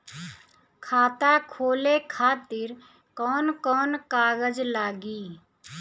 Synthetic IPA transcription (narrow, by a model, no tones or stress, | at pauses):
kʰaːt̪akʰoːlekʰaːt̪ɪɾ | kɔːnkɔːnkaːɡəd͡ʒlaːɡiː